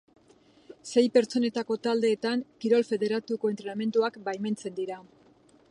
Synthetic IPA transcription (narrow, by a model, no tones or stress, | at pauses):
se̞jpe̞ɾt͡so̞ne̞t̪ako̞t̪ald̪e̞ːt̪aŋkiɾo̞lfe̞ðe̞ɾat̪uko̞e̞nt̪ɾe̞name̞nt̪uakbajme̞nt͡se̞nd̪iɾa